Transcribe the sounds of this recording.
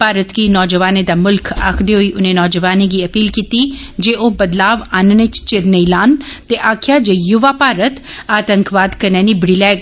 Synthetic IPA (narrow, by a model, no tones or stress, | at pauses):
paːɾət̪ɡiːnɔːd͡ʒəʋaːned̪aːmʊlkʰa̰kʰd̪eːɦoiːʔʊnẽːnɔːd͡ʒəʋaːneɡiːəpiːlkiːt̪iːd͡ʒeːʔoːbəd̪laːʋannet͡ʃt͡ʃɪɾnəilaːnt̪eʔaːkʰjaːd͡ʒejʊʋaːpaːɾət̪aːt̪əŋkʋaːd̪kəɾnɛːnibɽiːlɛːɡ